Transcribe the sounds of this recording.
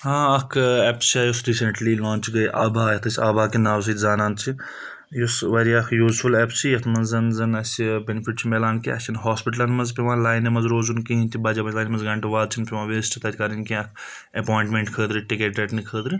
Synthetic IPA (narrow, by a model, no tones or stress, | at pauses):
hãɐkʰɛpt͡ʃaːjosɾiːseɳʈlilaːnt͡ʃɡɐjʔaːbaːjɐt̪ʰɐsʲaːbʱaːkinaːws̬it̪zaːnaːnt͡ʃʰi | jusʋɐɾiɐkʰjuːzfʰulɛpt͡ʃʰijɐt̪ʰmɐnzɐnzɐnɐsibenipʰiʈ̚t͡ʃʰimelaːnkiɐ̰kt͡ʃʰinɦoːspiʈɐlɐnmɐzpiʋãːlaːjnimɐzɾoːzunkiɦint̪ʲʰibaːd͡ʒabɐt͡ʃlaːjnimɐnzɡɐɳʈuʋaːd̪̚t͡ʃʰinpʲiʋãːʋeːsʈit̪ɐt̪ʰʲkaɾinkĩɐkʰ | epoːjĩɳʈmeɳʈkʰəːd̪ɾɨʈikeʈeʈnikʰəːd̪ɾi